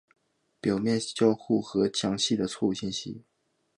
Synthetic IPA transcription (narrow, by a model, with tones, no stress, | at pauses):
pjɑ˨˩ʊmjɛ˥˧nt͡ɕjɑ˥˧ʊxu˥˩xɤ˧˥t͡ɕʰjɑ˧˥ŋɕi˥˩d̪ə˩t͡sʰwɔ˥˧u˥˩ɕi˥˧nɕḭ˥˩